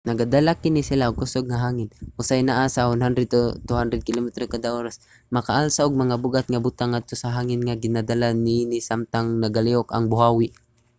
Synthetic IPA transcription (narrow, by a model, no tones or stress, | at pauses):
naɡad̪alakɪnisɪlaʔʊɡ̚kʊsoɡ̚ŋaɦaːŋɪnʔʊsajnaʔasahʊnɦand̪ɾɛd̪̚t̪ot̪ʊhand̪ɾɛd̪̚kɪlomɛt̪ɾokad̪aʔoːɾas | makaʔalsaʔʊɡ̚maŋabʊɡat̪̚ŋabʊt̪aŋːad̪̚t̪osaɦaːŋɪnŋaɡɪnad̪alaniːnɪsamt̪aŋnaɡalioka̰ŋbʊɦawɪ